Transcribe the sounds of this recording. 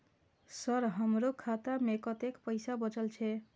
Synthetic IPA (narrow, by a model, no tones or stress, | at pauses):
sʌɾɦʌmɾokʰat̪amekʌt̪ekpʌjsabʌt͡sʌlt͡sʰe